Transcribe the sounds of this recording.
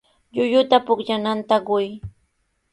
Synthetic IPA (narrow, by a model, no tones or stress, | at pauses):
ʎʊjʊt̪apʊkʎanant̪aɢʊj